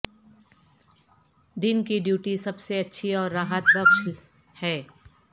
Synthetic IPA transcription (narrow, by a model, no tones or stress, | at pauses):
d̪ɪnkiɖjuːʈisɐbseɐtːʃʰiɔːɾːaːɦət̪bɐkʃ | hɛː